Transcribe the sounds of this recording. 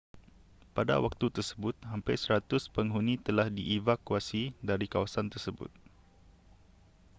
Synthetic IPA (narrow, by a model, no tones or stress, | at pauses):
pada̰wak̚t̪ut̪ərsəbʊt̪̚ɦampajsəɾat̪ʊspəŋɦunĩt̪əlahdḭʔevakuasidaɾikawasant̪ərsəbʊ̰t̪̚